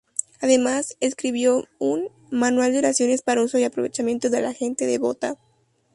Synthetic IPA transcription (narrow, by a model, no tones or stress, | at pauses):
aðe̞mase̞skɾiβjo̞un | manwald̪eoɾasjo̞ne̞spaɾauso̞iapɾo̞βe̞t͡ʃamje̞nt̪oðe̞laxe̞nt̪e̞ðeβo̞t̪a